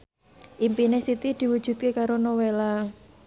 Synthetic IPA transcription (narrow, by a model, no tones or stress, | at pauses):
ʔimpinesit̪id̪̥i̤wud̥ʒ̥ṳd̪̚kekaɾonowela